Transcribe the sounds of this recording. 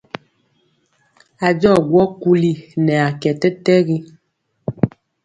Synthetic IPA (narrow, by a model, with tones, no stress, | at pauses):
a˨d͡ʒɔ˦˨ɡwɔ˦ku˦li˦˨nɛ˨a˨kɛ˨tɛ˦tɛ˦ɣi˦